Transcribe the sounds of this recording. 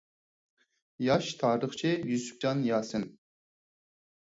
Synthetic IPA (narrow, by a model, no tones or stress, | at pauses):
jɑʃt̪ʰɑːɾɨχt͡ʃʰɪjysy̥p̚d͡ʒɑnjɑːsɨn